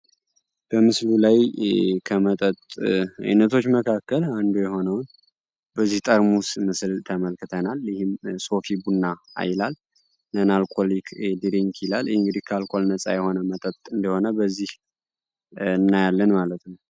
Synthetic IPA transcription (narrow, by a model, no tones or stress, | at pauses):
b̥əmɨslulajkʰəmət̪ʼət̪ʼa̰jnət̪ʰo̞t͡ʃːməkʰakːəland̪ujɛɦo̞nəwn | bəzːiht̪ʼəɾmusmɨslt̪ʰəməlkʰɨt̪ʰənaljɪhɪmso̞fibunːaa̰jlal | nənalkʼolikʰd̪iɾiŋkʰjɪlalŋɡɨd̪ihkʰalkʼo̞lnət͡sʼa̰jɛho̞nəmət̪ʼət̪ʼɨnd̪əho̞nəbəzːih | ɨnːajalːənmalət̪nəw